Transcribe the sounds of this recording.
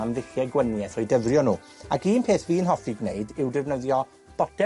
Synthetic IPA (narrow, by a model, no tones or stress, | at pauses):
amðɪɬjɛɡwənjɛθɔjdəvrjɔnuː | akiːnpʰeːθviːnɦɔθiɡnejdɪwdɛvnəðjɔ | b̥ɔdɛ